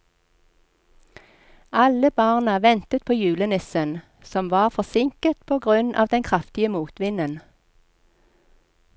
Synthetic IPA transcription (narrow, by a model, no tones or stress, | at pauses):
ɑləbɑːʁnəʋɛnt̪ət̪̚pʰoːjʉːlənɪsən | sɔmʋɑːʁfɔsɪŋkət̪pʰoːɡʁʉnɑ̰ːʋd̪ɛnkʰʁɑft̪ɪəmuːt̪ʋɪnən